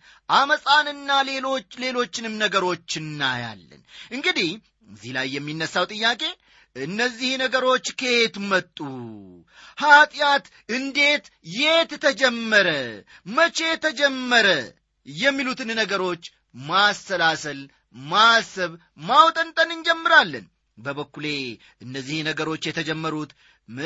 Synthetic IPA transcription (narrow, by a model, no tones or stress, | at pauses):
ʔaməsʼanɨnːale̞lo̞t͡ʃːle̞lo̞t͡ʃːɪnɨmnəɡəɾo̞t͡ʃːɨnːa̰ja̰lːə̰nʔɨŋɡɨd̪ih | əzːihlajːɛmːinːəsːawt̪ʼɨjːakʼe̞ | ɨnːəzːihnəɡəɾo̞t͡ʃːkʰet̪mət̪ʼːu | hat̪ʼjat̪ | ɨnd̪e̞t̪jet̪t̪ʰəd͡ʒɛmːəɾə | mət͡ʃe̞t̪ʰəd͡ʒɛmːəɾə | jɛmːilut̪ʰɨnnəɡəɾo̞t͡ʃː | masːəlasəl | masəβ | mawt̪ʼənt̪ʼənɨnd͡ʒɛmːɨɾalːən | bəβəkːule̞ | ʔɨnːəzːihnəɡəɾo̞t͡ʃːjɛt̪ʰəd͡ʒɛmːəɾut̪ | mɨ